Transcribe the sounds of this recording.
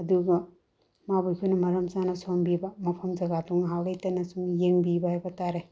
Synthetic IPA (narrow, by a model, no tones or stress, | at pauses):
ɐduɡɐ | mabujkʰunɐmɐɾɐmsanɐsombibɐmɐpʰɐmzɐɡatuŋɦawlejtɐnɐsuŋjeŋbibɐhajbɐtaɾe